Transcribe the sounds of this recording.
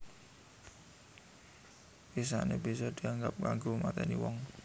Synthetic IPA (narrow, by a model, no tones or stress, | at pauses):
wis̬a̰neb̥isɔd̪̥i̤aŋɡap̚kaŋɡomat̪ɛnḭwɔŋ